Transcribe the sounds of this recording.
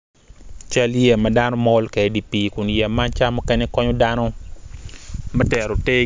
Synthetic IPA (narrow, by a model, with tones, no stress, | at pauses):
t͡ʃa˦lje˨ma˨da˦nɔ˦mɔ˦lkɛ˨˦di˨pi˨kʊ˨njɛ˨ma˦nt͡ʃa˦mɔ˦kɛ˦ne˦kɔ˦ɲɔ˦da˦no˦ | ma˦tɛ˨ɾo˨te˦